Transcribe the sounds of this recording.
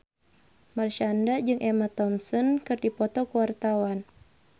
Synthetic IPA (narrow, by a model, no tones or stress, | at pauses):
marʃandad͡ʒɨŋʔɛmat̪ɔmsɔnkɨrdipɔt̪ɔkuwart̪awan